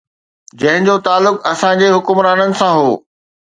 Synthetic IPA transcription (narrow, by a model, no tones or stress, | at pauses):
d͡ʑɐ̃ɦɪ̃ɲd͡ʑot̪aːlːʊkɐsãd͡ʑeːɦʊkʊmɾaːnənɪ̆sãɦoː